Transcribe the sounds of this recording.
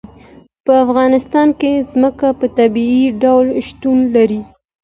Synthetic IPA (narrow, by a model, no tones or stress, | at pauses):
pəafɣɑnɪst̪ɑnkezməkapət̪abiiɖawlʃt̪unlaɾi